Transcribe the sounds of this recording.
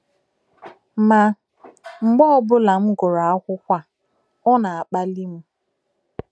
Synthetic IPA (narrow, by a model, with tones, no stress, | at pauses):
ma˨ | ŋ͡m̩˨ɡ͡bɔ˦ɔ˦bʊ˦la˨m̩˦ɡʊ˨ɾa˨a˦kʷʊ˦kʷa˦ | ɔ˦na˨a˨k͡pa˦li˦m̩˦